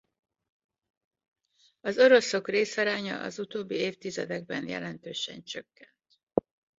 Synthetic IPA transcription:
ɒzo̞ɾo̞so̞kreːsɒɾaːɲɒ̰ʔɒ̰zut̪oːbːieːft̪izɛd̪ɛɡ̚bɛnjɛ̰lɛnt̪øːʃɛ̰nt͡ʃøkːɛnt̪

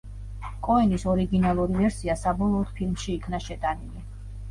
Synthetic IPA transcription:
kʼɔɛnisɔɾiɡinalˠuɾivɛɾsiasabɔlˠɔːd̪̥̚pʰilˠmʃiːkʰnaʃɛt̪ʼanili

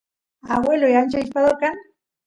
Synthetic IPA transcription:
awelojant͡ʃaiʃpaðokaŋ

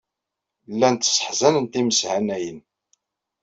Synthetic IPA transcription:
lːænt̪ːsˤə̥ħzænənt̪iməsʕanæjən

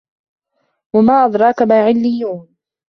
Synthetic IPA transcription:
wamaːʔɑd̪ɾˤɑːkamaːʕɪlːɪjːuːn

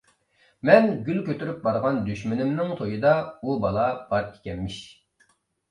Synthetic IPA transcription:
mɛnɡʲylkʲøt̪ʰyɾyp̚bɑɾʁɑnd̪yʃmynɪmnɪŋt̪ʰojɨd̪ɑubɑlˠɑb̥ɑɾe̥kʲɛnmɪʃ

